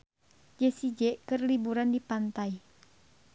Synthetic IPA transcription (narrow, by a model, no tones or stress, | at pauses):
d͡ʒɛsid͡ʒɛʔkɨrlibuɾandipant̪ai